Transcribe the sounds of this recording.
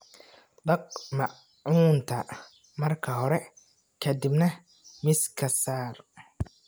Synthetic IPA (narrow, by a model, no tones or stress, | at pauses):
d̪ɐq̚mɐʔ | uːnt̪ʰɐ | mɐrkʰɐɦɔɾɛ | kʰɐd̪ibnɐ | mɪskʰɐsaːr